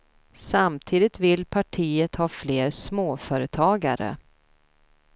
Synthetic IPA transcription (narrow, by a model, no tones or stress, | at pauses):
samt̪ʰiːd̪ɪt̪vɪlːpʰaʈʰiːət̪hɑːfleːɾsmoːfœːɾət̪ʰɑːɡa̰ɾə̰